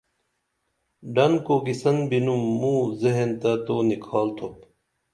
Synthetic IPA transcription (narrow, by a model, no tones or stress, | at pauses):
ɖɐnkoːɡisɐnbinumːũːzeɦent̪ɐt̪oːnikʰaːlt̪ʰop